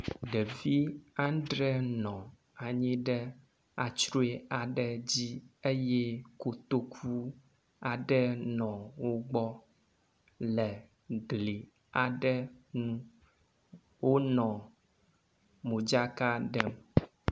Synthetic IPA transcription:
ɖɛ˨vi˦ã˦nɖɾɛ˦nɔ̃˨ | a˨ɲĩ˦ɖɛ˦ | a̰˨t͡ʃɾo˦e˦a˨ɖɛ˦d͡ʑi˦e˦jɛ˦ko˨t̪o˦kʰu˦ | a˨ɖɛ˦nɔ̃˨wo˦ɡ͡bɔ˦ | lɛ˨ | ɡli˨ | a˨ɖɛ˦nũ˦ | wo˦nɔ̃˨ | mũ˨d͡ʒa˦ka˦ɖɛ˦m

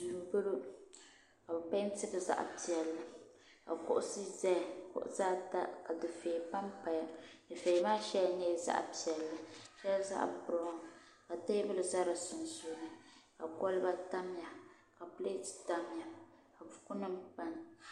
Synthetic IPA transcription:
du˨m˨bɨ˦ɾo˦ | ka˨bɨ˨pa˦n˦tɨ˦bɨ˨za̰˦ʔpi˨ɛ˨lːɨ˨ | ka̰˨kʊ̰˦ʔʊ˦si˦zɛ˦˨kʊ̰˦ʔʊ̰˦zaː˦ta˦ka˨dɨ˨feː˨pa˦mpa˨ja˨dɨ˨feː˨maː˦ʃɛ˦˨nɛ˦˨za̰˦ʔpi˨ɛ˨lːɨ˨ʃɛ˦lza̰˦ʔbɾɔ˨˦˨ | ka˨ta˦jbɨ˦lɨ˨za˦ɾɨ˨sʊ˨n˨zu˨˦nɨ˦ka̰˨kɔ˦lba˦ta˦m˦ja˨ | ka˨ple˦tta˦m˦ja˨ | ka˨bʊ˨kʊ˦nɨ˦mpa˦n˨

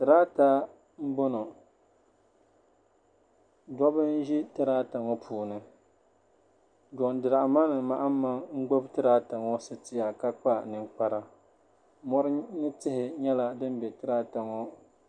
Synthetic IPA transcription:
tɨ˨ɾaː˦ta˦ | m̩˦bɔ˦nɔ˨ | dɔ˦bɨ˦n̩˦ʒi˦tɨ˦ɾaː˦ta˨ŋɔ˦pʰuː˨nɨ˦ | d͡ʒɔ˨ŋdɨ˨ɾa˨ʔma˦nɨ˨ma˨ʔa˦m˦ma˦ŋŋ͡m̩˦ɡ͡bo˦btɨ˦ɾa˦ta˨ŋɔ˦sɨ˦tɪ˦ja˨ka˦k͡pa˦nɨ˨ŋk͡pa˦ɾa˨ | mɔ˦ɾɨ˦nɨ˦tɪ˦hɪ˨ɲɛ˦la˦dɨ˦m˦bɛ˨tɨ˦ɾa˦ta˨ŋɔ˦

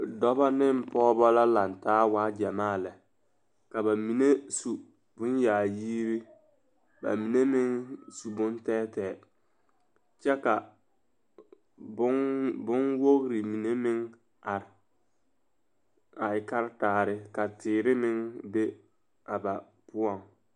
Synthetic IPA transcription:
dɔ˦ba˦nɪ˦m˨pɔː˦bɔ˦la˦la˨ntaː˦waː˦d͡ʒɛ˨maː˦˨lɛ˨ | ka˨ba˨mi˨ne˦su˨ | bʊ˦njaː˨jiː˦ɾɪ˦ | ba̰˨mi˨ne˦mɪ˦ŋsu˨bʊ˦ntɛː˦tɛː˨ | t͡ʃɛ˦ka˨ | bʊ˦ŋbʊ˦nwo˦ɣɾɪ˨mi˨ne˦mɪ˦ŋ | a˨ɾɪ˨ | a˨ɪ˨ka˦ɾtaː˨ɾɪ˦ka˨tɪː˨ɾɪ˦mɪ˦ŋbe˦ | a˨ba˨ | pʊ˦ɔ˨ŋ

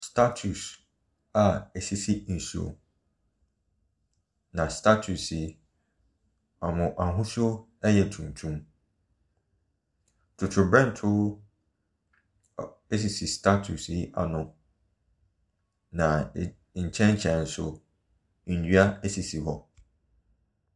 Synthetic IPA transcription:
stʰa˦tʰu˨s | a˨e˨si˦si˦n̩˨su˨o̰˨ | nã˨stʰa˦tʰu˨si˨ | a˨mʊ̃˨ʔa˨ɦʊ̃˦so˦ | ɛ˦jɛ˨tʰũ˨n˨tʰũ˦m | tʰʊ˨tʰʊ˨bɾɛ̃˦n˨tʰʊ˦ | e˦s̬i˨si˨stʰa˦tʰu˨si˨˦a̰˨nʊ̃˨ | nã˨ | ɲ̩˨t͡ɕʰɛ̃˦nt͡ɕʰɛ̃˨n̩˨sʊ̰˨ | n̩˨dɥa˦e˦si˨si˨hɔ˦

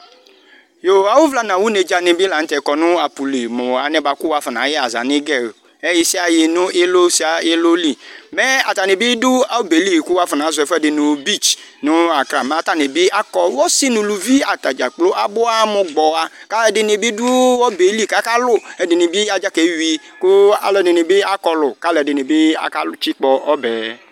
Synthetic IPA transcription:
jo˨a˨wʊ˦vla˦nã˨wu˦ne˨d͡ʒa˨nɪ˨bi˦la˨n̩˦tɛ˨˦kɔ˨nʊ̃˦a˨pu˨li˨mʊ˨a˨nɛ˨ba˨˦kʊ˦wa˦fɔ˨nã̰˨˦jɪ˦a˨za̰˨nɪ˦ɡɛ˦˨ | ɛ˦jɪ˦si˦a˨jɪ˨nʊ̃˦ʔe˦lo˦si˦a˦lo˦li˦mɛ˦a˨ta˨ne˨bi˦dʊ˦a˨wbe˨li˦˨kʊ˦wa˦fɪ˨nã˨˦zʊ˨ɛ˨fɛ˦dɪ˨nʊ̃˨˦bi˦˨t͡ʃnʊ˦a˨kɾa˨ma˨˦ta˦˨ne˨bɪ˦a˦kɔ˨wɔ˦si˦nʊ̃˨lu˨vi˦a˨ta˨d͡ʒa˨k͡plo˦ʔa˦bʊ˦a˦mʊ˨ɡ͡bɔ˨a˦ka˦lɛ˨˦dɪ˨˦ne˨bi˦dʊ˦ɔ˦be˨˦li˦˨ka˨˦ka˦lʊ˦˨ɛ˨dɪ˨ne˨bi˦a˨d͡ʒa˦ke˨˦wi˦ | kʊ˦a̰˨lɔ˨˦˨dɪ˨ne˨bɪ˦a˦kɔ˨lʊ˨ka˦lɛ˨dɪ˨ne˨bɪ˦a̰˦ka˦t͡ʃi˦k͡pɔ˨ɔ˦bɛ˨

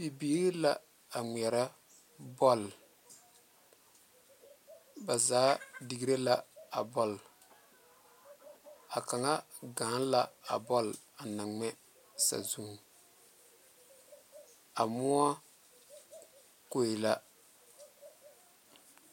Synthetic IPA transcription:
bi˨biː˦ɾla˦ | a˨ŋ˨ɛ˨ɾa˦ | bɔ˦˨l | ba˨zaː˨˦di˨ɡi˦ɾe˦la˦a˨bɔ˦˨l | a˨ka˨ŋa˦ | ɡa˨˦n˦la˦a̰˨bɔ˦l | a˨na˨ŋɛ˦ | sa̰˨zu˦˨ | a˨mʊ˦a˦ | ko˨ɪ˨la˦

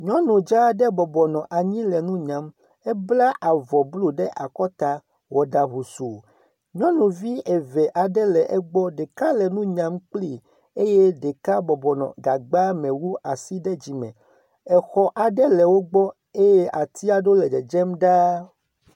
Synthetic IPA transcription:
ɲɔ̃˦nũ˨d͡ʒa˦ɖɛ˦bɔ˨bɔ˨nɔ̃˨ʔa˨ɲĩ˦lɛ˨nũ˦ɲã˨˦m | ɛ˦bla˦ʔa˨vɔ˨blo˦ɖɛ˦ʔa˨kɔ˦t̪a˨ | wɔ˨ɖa˨ɦu˨su˨ | ɲɔ̃˦nũ˨vi˦ɛ˨vɛ˨ʔa˨ɖɛ˦lɛ˨ʔɛ˦ɡ͡bɔ˦ɖe˨ka˦lɛ˨nũ˦ɲã˨mk͡pli˦˨ | e˦je˦ɖɛ˨ka˦bɔ˨bɔ˨nɔ̰̃˨ɡa˨ɡ͡ba˦mɛ̃˨wu˦a˨si˦ɖɛ˦d͡ʑi˨mɛ̰̃˨ | ɛ˨xɔ˨ʔa˨ɖɛ˦lɛ˨wo˦ɡ͡bɔ˦ | e˦je˦ʔa˨t̪i˦a˨ɖo˦lɛ˨ɖɛ˨d͡ʒɛ˦mɖa˦

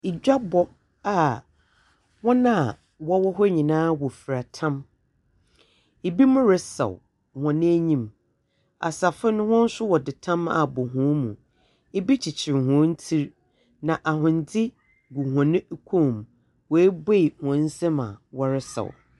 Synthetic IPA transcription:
i˨d͡ʑᶣa˦bɔ˦ | a˨ | wɔ̃˦nã˦˨ | wɔ˦wɔ˦ɦɔ˦ɲĩ˨nãː˦wɔ˨fi˨ɾa˨tʰã˦m | e˨bi˦mʊ̃˦ɾɪ˦sɛ̰˨w | hɔ̃˨nɪ̃˦æ˦ɲĩ˦m | a̰˨sa˨fɪ˦nʊ̃˦hʊ̃˦n̩˦sʊ˦wɔ˨dɪ˨tʰã˦ma̰˨bɔ˨ɦʊ̃˨˦mũ˨ | e˦bi˦t͡ɕʰi˨t͡ɕʰɪ˨ɾɦɔ̃˨˦n̩˦tʰi˦ɾ | nã˨ʔa˨ɦʊ̃˨n˨d͡zʰɪ˦ | ɡu˨hɔ̃˨nɪ̃˦kʰo˦˨m | wɔ˨e˦be˦i˨hɔ̃˨n̩˦sɪ˦mã̰˨wɔ˦ɾɪ˦sɛ̰˨w

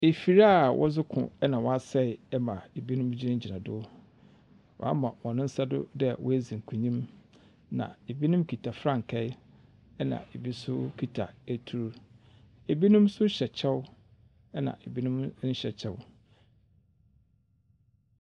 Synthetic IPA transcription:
e˨fi˨ɾa˦˨wʔɔ̰˦zʊ˦kʰʊ̰̃˨ɛ˦nã˨wɔ˦a˦˨sɛ˦˨ɛ˦mã˨e˨bi˦nʊ̃˦m˦d͡ʑi˦nɪ̃˦d͡ʑi˨nã˨dʊ˦ | wɔ̰˨a˦mã˨wɔ̃˨nɪ̃˦n̩˦sa˦dʊ̰˦dɛ˦˨wɔ̰˦æ˦zi˨ŋ̩˨kʰũ˨ɲĩ˦m | nã̰˨e˨bi˦nʊ̃˦mkʰi˨tʰa˨fɾã˦˨ŋ̩˨kʰɛ˦ɪ˦ | ɛ˦nã̰˨e˨bi˦sʊ˦kʰi˨tʰa̰˨æ˨tʰu˨ɾu˦ | e˨bi˦nʊ̃˦msʊ˦ɕɛ˨t͡ɕʰɛ˦w | ɛ˦nã̰˨ʔe˨bi˦nʊ̃˦m̩˦ɕɛ˨t͡ɕʰɛ˦w

